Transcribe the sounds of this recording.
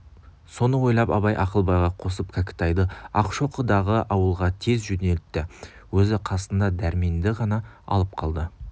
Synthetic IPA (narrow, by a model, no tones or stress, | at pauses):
so̞nəwo̞jlˠɑpɑ̰βɑjʔɑqəlˠbɑjʁɑqʰo̞səp̚kʰakʲɪ̥t̪ɑjd̪əɑqʃo̞qəd̪ɑʁəʔɑwəlˠʁɑt̪ʰe̞zʒɵne̞lt̪ːɪwɵzɪqʰɑsənd̪ɑd̪æɾme̞nd̪ɪʁɑnɑɑ̰lˠəp̚qʰɑlˠd̪ə